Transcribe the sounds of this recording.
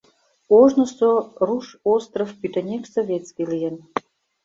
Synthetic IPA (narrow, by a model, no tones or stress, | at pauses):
oʒnə̆soruʃost̪rofpyt̪ĕnʲeksovʲet̪t͡skʲilijə̆n